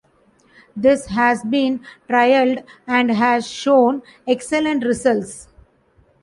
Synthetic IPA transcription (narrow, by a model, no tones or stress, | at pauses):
d̪ɪsɦæzbĩːnʈɾaɪəlɖæ̃ɳɖɦæzʃõːnekselə̃ɳʈɾɪsəlʈs